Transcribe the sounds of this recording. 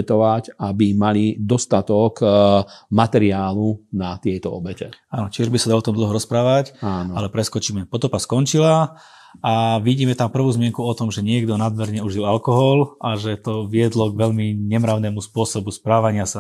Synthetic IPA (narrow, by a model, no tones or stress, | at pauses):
ɛt̪ɔʋacabimalid̪ɔst̪at̪ɔk | mat̪ɛɾiaːlunat̪ɪɛt̪ɔ̰ɔ̰bɛcɛ̰aːnɔt͡ʃɪɛʒbisad̪aɔɔt̪ɔmd̪l̩ɦɔɾɔspɾaːʋacaːnalɛpɾɛskɔt͡ʃiːmɛpɔt̪ɔpaskɔnt͡ʃila | aʋiɟiːmɛt̪ampr̩ʋuːzmɪɛŋkuɔt̪ɔmʒɛɲɪɛɡd̪ɔnad̪mɛɾɲɛuʒilalkɔɦɔlʔaʒɛt̪ɔʋɪɛd̪lɔɡʋɛʎmiɲɛmɾaʊnɛːmuspʊɔsɔbuspɾaːʋaɲɪasa